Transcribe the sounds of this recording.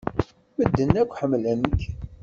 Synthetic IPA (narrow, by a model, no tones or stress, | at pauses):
məd̪ːənːækʷːħəmːlænk